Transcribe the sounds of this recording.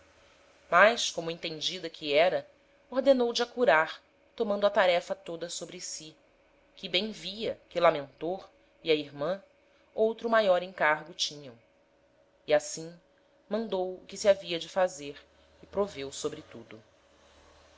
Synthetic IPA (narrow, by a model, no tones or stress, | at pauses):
majskõmʊẽnt̪ẽŋd͡ʒid̪ɐkʰʲiɛɾɐ | oɾd̪enowd͡ʒɪakuɾaɾ | t̪omɐ̃nd̪ʊɐt̪aɾɛfɐt̪od̪ɐsobɾɪsi | kʲɪbẽj̃viɐkɪlamẽnt̪oɾ | iɐiɾmɐ̃ | owt̪ɾʊmajɔɾẽŋkaɾɡʊt͡ʃĩɲɐ̃w̃ | iasĩ | mɐ̃nd̪owṵkɪsiaviɐd͡ʒɪfazeɾ | ɪpɾovewsobɾɪt̪ud̪ʊ